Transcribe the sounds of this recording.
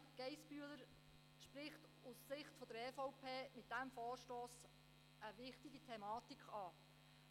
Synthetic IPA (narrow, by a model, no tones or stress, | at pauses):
ɡ̥ɛjsbyələɾ | ʃpɾɪχt | ussɪχtfɔd̥̪əɾɛfɔwpʰeːmɪtd̥æmfɔːɾʃtoːs | ʔəʋɪχtiɡit̪ʰɛmɑːtikχɑː